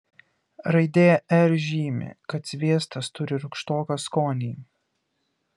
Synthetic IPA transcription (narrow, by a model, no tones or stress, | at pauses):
ɾɐɪd̪ʲeːjɛʔɛɾʒʲiːmʲɪ̰kɐt̪sʲʋʲiɛst̪ɐst̪ʊɾʲɪɾʊkʃt̪oːkɐskoːnʲiː